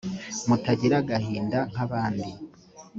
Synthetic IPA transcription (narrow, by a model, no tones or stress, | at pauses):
mutaɟiɾaɡahiːndaŋ̥aβaːndi